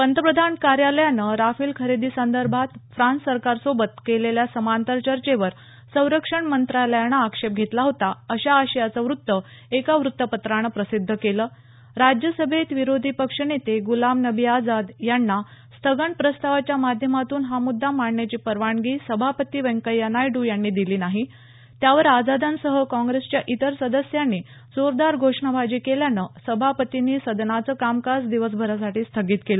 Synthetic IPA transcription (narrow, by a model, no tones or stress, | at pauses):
pənt̪əpɾəd̪ʱankaɾjaləjanəɾafiːlkʰəɾed̪iːsənd̪əɾbʱat̪fɾãnsːəɾkaɾsobət̪keleljasəmant̪əɾt͡ɕəɾt͡ɕeʋəɾ | sə̃w̃ɾəkʂəɳmənt̪ɾaləjanəːkʂep̚ɡʱet̪laɦot̪aəɕaəɕəjat͡səʋɾut̪ːə | ekaʋɾut̪ːəpət̪ɾaɽ̃əpɾəsid̪ʱːəkeləː | ɾad͡ʑjəsəbʱet̪ʋiɾod̪ʱiːpəkʂənet̪eɡulamnəbʱiad͡zad̪janːa | st̪ʰəɡəɳpɾəst̪aʋat͡ɕjamad̪ʱjəmat̪uːnɦamud̪ʱːamaɽnat͡ɕiːpəɾʋaɳɡiːsəbʱapət̪iːʋəŋkəjːənajɖuːjanːiːd̪iliːnaɦi | t̪jaʋəɾad͡zad̪ʱansəɦəkɔ̃ŋɡɾest͡ɕjaʔit̪əɾsəd̪əsjanːiː | soɾd̪aɾɡʱoʂɳabʱad͡ʑiːkeljanəsəbʱapət̪iniːsəd̪nat͡səːkamkasd̪iʋəs̬bʱəɾas̬aʈiːst̪ʰəɡiːt̪kelə